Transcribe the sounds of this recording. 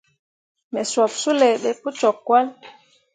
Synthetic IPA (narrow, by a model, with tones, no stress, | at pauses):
mɛ˨swa˨psu˦lɛ˨ɓɛ˨pu˦t͡ʃɔ˨kːwa˦l